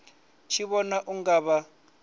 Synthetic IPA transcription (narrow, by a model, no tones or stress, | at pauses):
t͡ʃʰiβɔnaʔuŋɡaβa